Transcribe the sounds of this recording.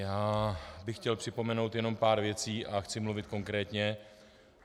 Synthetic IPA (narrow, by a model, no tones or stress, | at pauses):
jaːbɪxcɛlpr̥ɪpo̞mɛno̞wt̪jɛno̞mpaːɾvjɛt͡siːʔaxt͡sɪmluvɪt̪ko̞ŋkɾɛːt̪ɲɛ